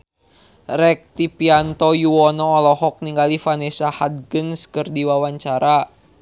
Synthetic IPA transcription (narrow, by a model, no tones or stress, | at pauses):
rɛk̚t̪ipiant̪ɔjuwɔnɔːlɔɦɔk̚niŋɡalifanesahad̪̚ɡənskərdiwawaɲt͡ʃaɾa